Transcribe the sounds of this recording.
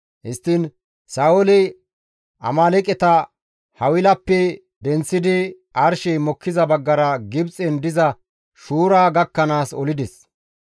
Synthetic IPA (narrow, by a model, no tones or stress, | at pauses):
hɪst̪ːɪn | saːwɔlɪ | ʔɐ̰maːlɛkʼɛt̪ɐ | hɐwɪlɐpːɛ | d̪ɛnt͡sːɪd̪ɪ | ʔɐɾʃɛjmɔkːɪzɐbɐɡːɐɾɐɡɪbt͡sʼɛnd̪ɪzɐ | ʃuːɾaːɡɐkːɐnaːsɔ̰lɪd̪ɛs